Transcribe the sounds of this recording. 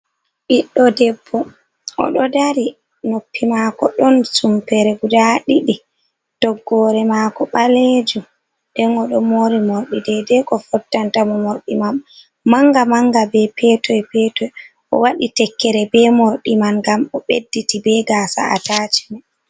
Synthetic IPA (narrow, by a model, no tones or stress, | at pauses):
ʔiɗːɔdɛbːɔ | ʔɔ̰ɗɔdaɾi | nopːimakɔɗɔnsumpɛɾɛɡudaɗiɗi | tɔɡːɔɾɛmakɔɓaled͡ʒu | dɛnɔɗɔmoɾimoɾɗidɛdɛkɔfɔtːantamɔmoɾɗimamː | aŋɡamaŋɡabɛpɛtɔjpɛtɔj | ʔɔ̰waɗitɛkːɛɾɛbɛmoɾɗimanɡamɔɓedːitibɛɡaːsa̰a̰tat͡ʃi̥mɛ